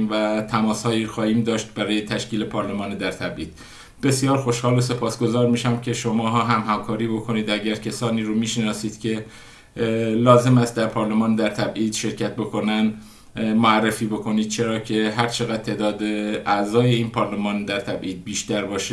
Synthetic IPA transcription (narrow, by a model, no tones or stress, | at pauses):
mvæt̪ʰæmɒːshɒːjiːxɒːhiːmd̪ɒːʃt̪̚bæɾɒːjet̪ʰæʃciːle̞pʰɒːɾle̞mɒːned̪æɾt̪ʰæbʔiːd̪̥ | be̞sjɒːɾxo̞ʃhɒːlose̞pʰɒːsɡo̞zɒːɾmiːʃæmcʰe̞ʃomɒːɦɒːɦæmɦæmkʰɒːɾiːbo̞kʰo̞niːd̪æɟæɾcʰesɒːniːɾomiːʃenɒːsiːd̪̥cʲʰe̞ | lɒːze̞mæst̪̚d̪æɾpʰɒːɾlemɒːnd̪æɾt̪ʰæbʔiːd̪̥ʃe̞ɾcʰæt̪̚bo̞kʰo̞næn | moærːefiːbo̞kʰo̞niːd̪̥̚t͡ʃʰe̞ɾɒːcʰe̞ɦæɾt͡ʃʰe̞ɣæd̪̚t̪ʰːe̞ːd̪ɒːd̪eæzɒːje̞iːnpʰɒːɾlemɒːnd̪æɾt̪ʰæbʔiːd̪̚biːʃt̪æɾbɒːʃe